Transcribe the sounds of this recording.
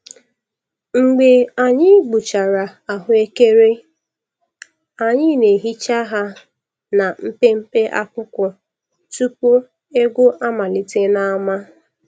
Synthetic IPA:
ŋ͡m̩˨ɡ͡be˨a˨ɲɪ˦ɡ͡bu˨t͡ʃa˨ɾa˨a˨ɦʊ˦e˦ke˦ɾe˦ | a˨ɲɪ˦ne˨ɦi˦t͡ʃa˦ɦa˦ | na˨m̩˦pe˦m̩˦pe˦ʔa̰˦kʷʊ˦kʷɔ˨ | tu˦po˦ | e˦ɡʷʊ˦ʔa˦ma˨lɪ˨te˦na˦ma˦

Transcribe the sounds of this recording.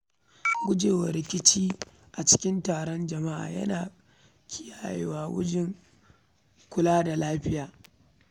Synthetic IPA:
ɡʷʊ˦d͡ʒeː˨wɐ˨ɾɪ˨kʲɪ˦t͡ʃiː˦ | ʔa˨t͡ʃɪ̥˦kʲɪ˦ntaː˨ɽɔ˦nd͡ʒɐ˨ma˦ʔa̰ː˨jɐ̰˦naː˨ | kʲʰɪ˦jaː˨jḛ˨waː˦wʊ̰˦d͡ʒɪ˦ŋ | kʷʊ˦laː˦da˨laː˦ɸɪ˦jaː˨

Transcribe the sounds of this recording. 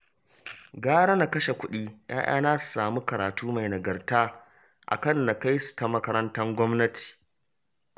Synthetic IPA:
ɡaː˦ɽɐ˦na˨kɐ˦ʃe˨kʷʊ˦ɗiː˦ja̰ː˦j̰a̰ː˦naː˦su̥˨saː˨mu˦kɐ˨ɾaː˨tuː˦ma˨jnɐ˨ɡɐ˨rtaː˦ | ʔa̰˨kɐ˦˨nːa˨ka˦jsu̥˨ta˦mɐ˦kɐ˦ɾɐ˦ntɐ˦ŋɡʷɔ˦mnɐ˦tʰi̥ː˨

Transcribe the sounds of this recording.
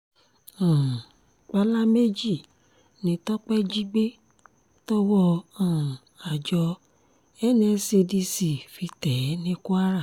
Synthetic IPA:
ã˨ | k͡pa˦la˦me˦d͡ʒi˦˨ | nĩ˧˦tɔ˦k͡pɛ˦d͡ʒi˦ɡ͡be˦ | tɔ˦wɔ˦ã˨ | a˨d͡ʒɔ˧ | ɛ˦nɛ̃˧˨se˧di˧si˨fi˧tɛ˨˦nĩ˦ku˦a˦ɾa˦˨

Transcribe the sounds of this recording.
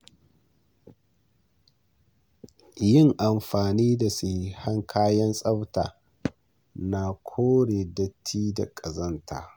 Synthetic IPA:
jɪ˦˨ŋʔa˨mɸaː˨niː˦da˨si˨haɐ˦ŋkʰaː˦jɐ˦nsʼɐ˦wta̰ː˨ | na˨kʷʰoː˦ɽeː˨dɐ˦tʰːiː˦da̰˨kʼɐ˨zɐ˦ntʰa̰ː˨

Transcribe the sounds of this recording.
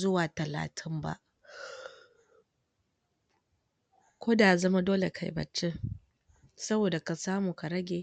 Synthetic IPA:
zʊ˦waː˨tɐ˨la̰ː˨tʰɪ˦mba̰˦ʔ | kʷoː˦da˨ʔzɐ˦ma˦doː˦le˨kʰa̰˨jbɐ̰˨t͡ʃːe˦ | sɐ˦boː˨da˨ka˨saː˦muː˨ka˨ɾɐ˦ɡʲeː˨

